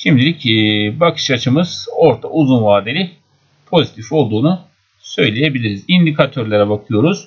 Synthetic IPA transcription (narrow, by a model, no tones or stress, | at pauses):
ʃimd̪ilʲicbakʰɯ̥ʃat͡ʃʰɯmɯz̥o̞ɾt̪ʰa̰ʔuzunvaːd̪elʲi | pʰo̞zit̪ʰifo̞lˠd̪uːnu | sø̞jlʲeje̞bilʲiɾizind̪ikʰat̪ʰø̞ɾlʲeɾɛbakʰɯjo̞ɾuz̥